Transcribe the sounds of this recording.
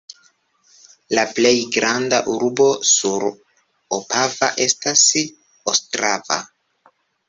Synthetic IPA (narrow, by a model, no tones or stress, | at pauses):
laple̞jɡɾandaʔuɾbo̞suɾ | opʰavaʔe̞stas | ostɾava̰